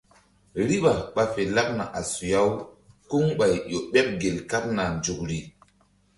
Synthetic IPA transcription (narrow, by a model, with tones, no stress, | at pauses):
ɾi˦ɓa˨ɓa˦fe˨la˦k̚na˨ʔa˨su˨ja˦w | ku˦ŋɓa˨jɗo˨ɓɛ˦p̚ɡe˨lka˦p̚na˨nd͡ʒu˨k̚ɾi˨